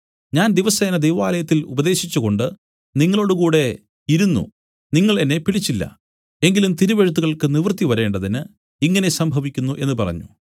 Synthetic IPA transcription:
ɲaːnd̪iʋɐseːnɐd̪ejʋaːlɐjɐt̪ːilubɐd̪e̞ːɕit͡ɕːuɣo̞ɳɖɨ | niŋːɐɭo̞ːɽukuːɽe̞ | iɾunːṵ | niŋːɐɭe̞nːe̞piɭit͡ɕːilːɐ̰ | e̞ŋɡilumt̪iɾuʋeɻut̪̬ːuɣɐɭkɨniʋrt̪iʋɐɾe̞ːɳɖɐðinɨ | iŋːɐne̞sɐmbʱɐʋikʲːunːuʔe̞nːɨpɐrɐ̰ɲːṵ

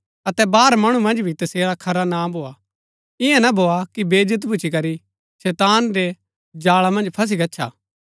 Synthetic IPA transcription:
ɐt̪ɛbaːɾmɐɽ̃umɐ̃nd͡ʒbʱit̪ɐseːɾakʰɐɾanabʱoːa | ɪãnabʱoːakibeːd͡ʒət̪̬bʊt͡ʃʰikɐɾi | sɛːt̪aːnɾe | d͡ʒaːɭamɐ̃nd͡ʒpʰɐs̬iɡɐtːʃʰa̰

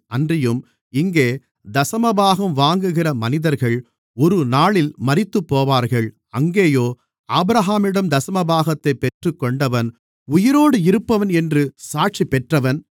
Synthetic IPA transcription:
ɐndrɪjɯm | ɪŋɡeː | d̪ɐsɐmɐbaːɣɐmʋaːŋɡɯɣɪrɐmɐnɪðɐɾɣɐɭ | ɔɾɯnaːɭɪlmɐrɪt̪ːɯpːoːʋaːɾɣɐɭ | ɐŋɡeːjoː | aːbɾɐɦaːmɪɽɐmd̪ɐsɐmɐbaːɣɐt̪ːɐɪpːɛʈrɯkːɔɳɖɐʋɐn | ʊjɪɾoːɽɯɪɾɯpːɐʋɐnɛndrɯsaːʈ̚t͡ʃipːɛʈrɐʋɐn

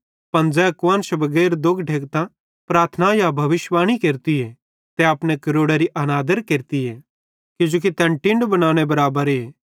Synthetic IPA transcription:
pɐ̃nd͡zɛɐkʋənʃɐbɐɡɛːɾd̪ʊɡɖʱeːk̚t̪ã | pɾaːɾt̪ʰənajabʱɐʋɪʃʋaːɽ̃ikeːɾt̪ie | t̪ɛɐpnekɐɾoːɽeɾiʔɐnaːd̪əɾkeːɾt̪iɛ | kɪd͡ʒoːk̬it̪ɛ̃ːnʈɪ̃ɳɖbɐnaːñebɐɾaːbəɾeː

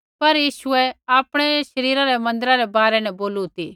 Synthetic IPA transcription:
pɐɾjiːʃʊɛaːpɽ̃ɛʃɐɾiːɾaɾɛmɐ̃nd̪əɾaɾɛbaːɾɛnɛ̃boːlut̪i

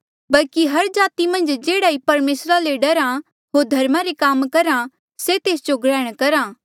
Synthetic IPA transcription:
bɐlkiɦɐɾd͡ʒaːt̪imɐ̃nd͡ʒd͡ʒeːɽaːipɐɾmeːsɾaleɖɐɾã | ɦoːɾd̪ʱɐɾmaɾekaːmkɐɾã | set̪eːsd͡ʒoɡɽɛːɽ̃kɐɾaː

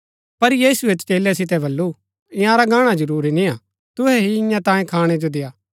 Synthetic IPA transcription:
pɐɾjiːsuet̪t͡ʃeːlɛsɪt̪̬ɛbʱɐlːu | ɪ̃jãɾaɡaːɽ̃ãd͡ʒɐɾuːɾinɪ̃ã | t̪ʊɦɛɦiɪ̃jãt̪ãːẽkʰaːɽ̃ɛd͡ʒod̪ejaː

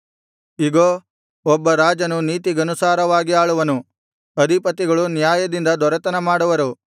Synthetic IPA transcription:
iɡoː | ɔbːɐɾaːd͡ʒɐnuniːt̪iɡɐnusaːɾɐʋaːɡiaːɭuʋɐnu | ɐd̪ʱipɐt̪ːiɡɐɭunjaːjɐd̪ind̪ɐd̪ɔɾɐt̪ɐnɐmaːɽuʋɐɾu

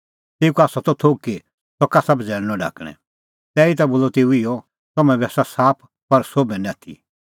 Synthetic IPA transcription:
t̪eːukaːsɔt̪ɔt̪ʰoːkːe | sɔkasɐbd͡zɛːɽ̃nɔ̃ɖa̰ːkɽ̃ɛ̰̃ | t̪ɛːit̪aboːlɔt̪eːuɪjɔ | t̪ɐmɛ̃bɛːsasaːpʰ | pɐɾsoːbɛ̃nɛ̃at̪ʰḭ

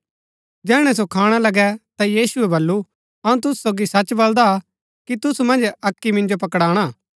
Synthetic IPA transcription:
d͡ʒɛːɽ̃ɛ̃s̬okʰaːɽ̃alɐɡɛt̪ajiːsʊɛbɐlːu | ɐũt̪̬ʊsu̥soːɡisɐt͡ʃbɐld̪a | kit̪ʊsumɐ̃nd͡ʒɐkːimɪ̃nd͡ʒop̬ɐkɽaːɽ̃aː

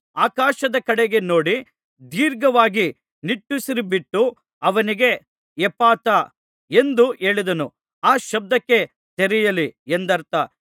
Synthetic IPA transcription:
aːkaːʃɐd̪ɐkɐɽeɡe̞no̞ːɽi | d̪iːɾɡɐʋaːɡi | niʈːusiɾibiʈːu | ɐʋɐniɡe̞ | ɛpaːt̪a | e̞nd̪uʔe̞ːɭid̪ɐnu | aːʃɐb̚d̪ɐkːe̞ | t̪eɾɛjɐliend̪ɐɾt̪ɐ

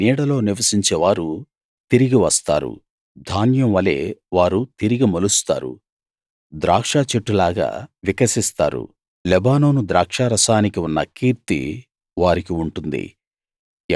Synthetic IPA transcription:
niːɽɐlo̞ːniʋɐsiɲt͡ʃeːʋaːɾu | t̪iɾiɡiʋɐst̪a̰ːɾṵ | d̪ʱaːnjɐmʋɐle̞̰ːʋaːɾut̪iɾiɡimɐlust̪a̰ːɾṵ | d̪ɾaːkʂaːt͡ʃeʈːulaːɡa̰ːʋikɐsist̪a̰ːɾṵ | lɛbaːno̞ːnud̪ɾaːkʂaːɾɐsaːnikiunːɐkiːɾt̪ḭ | ʋaːɾikiuɳʈund̪ḭ

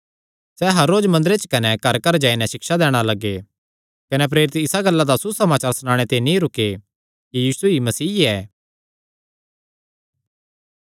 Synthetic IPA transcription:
sɛɦɐɾːoːd͡ʒmɐ̃nd̪ɾet͡ʃkɐnɛkɐɾkɐɾd͡ʒaːinɛ̃ʃɪksad̪ɛːɽ̃alɐɡe | kɐnɛp̬ɾeːɾɪt̪ɪsaɡɐlːad̪asusɐmaːt͡ʃaːɾsʊnaːɽ̃et̪enĩɾʊkːe | kijiːsuimɐsiːɛː

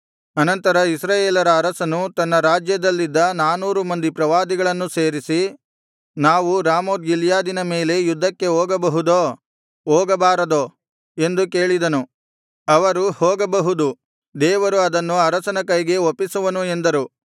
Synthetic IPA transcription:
ɐnɐnt̪ɐɾɐisɾaːjeːlɐɾɐːɾɐsɐnut̪ɐnːɐɾaːd͡ʒjɐd̪ɐlːid̪ːɐnaːnuːɾumɐnd̪ipɾɐʋaːd̪iɡɐɭɐnːuse̞ːɾisi | naːʋuɾaːmoːd̪ɡiljaːd̪inɐme̞ːle̞jud̪ʱːɐkːe̞ɦoːɡɐbɐɦud̪oː | oːɡɐbaːɾɐd̪o | e̞nd̪uke̞ːɭid̪ɐnu | ɐʋɐɾuhoːɡɐbɐɦud̪u | d̪ɛːʋɐɾuɐd̪ɐnːuɐɾɐsɐnɐkɐjɡe̞opːisuʋɐnue̞nd̪ɐɾu

